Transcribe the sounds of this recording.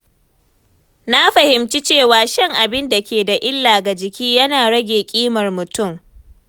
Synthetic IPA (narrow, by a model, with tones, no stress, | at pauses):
na˦ɸɐ˨hɪ˨mt͡ʃi˦t͡ʃeː˦˨waː˨ʃɐ˦ŋʔa˨bɪ˦nda˨kʲeː˨da˨ʔɪ˦lːaː˨ɡa˨d͡ʒɪ˨kʲiː˦jɐ˦naː˨ɽɐ˦ɡʲeː˨kʲʼiː˦mɐ˨rmʊ˨tʊ˦˨m